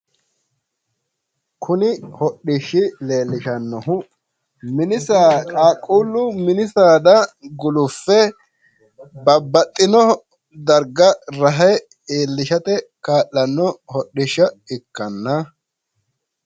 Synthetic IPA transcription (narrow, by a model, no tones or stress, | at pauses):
kʰʊnɪhɔɗɪʃːɪle̞ːlːɪʃɐnːɔɦʊ | mɪnɪsaːkʼaːkʼːuːlːʊmɪnɪsaːd̪ɐɡʊlʊfːɛ | bɐbːɐt̪ʼːɪnɔ | d̪ɐɾɡɐɾɐɦɐ | eːlːɪʃɐt̪ɛkaːʔːɐnːɔhɔɗɪʃːɐɪkːɐnːɐ